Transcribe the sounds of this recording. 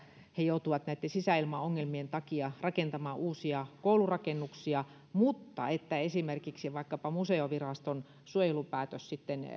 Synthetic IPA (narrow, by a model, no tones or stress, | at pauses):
hejout̪uʋɑt̪næit̪ːensisæˑilmɑoŋːelmient̪ɑkiɑrɑkent̪ɑmɑːʔuːsiɑkoulurɑkenːuksiɑ | mut̪ːɑ̰et̪ːæesimerkiksiʋɑikːɑpɑmuseoʋirɑst̪on | suojelupæːt̪øssit̪ːen